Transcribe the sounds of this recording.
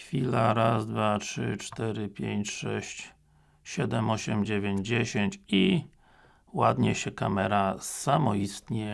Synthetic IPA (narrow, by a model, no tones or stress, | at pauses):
fʲilaɾazd̪vatʂɘ̰t͡ʂt̪ɛɾɘpʲjeɲt͡ɕʂɛ̰ɕt͡ɕ | ɕɛd̪ɛmɔɕɛmd͡ʑevʲeɲd͡ʑd͡ʑeɕeɲt͡ɕi | wad̪ɲɛɕɛka̰mɛɾasamɔist̪ɲɛ